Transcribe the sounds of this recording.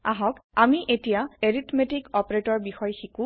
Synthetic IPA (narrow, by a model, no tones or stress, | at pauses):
aɦɔkamiʔetijaeɹitmetikɔpɹetɔɹbixɔjxikũ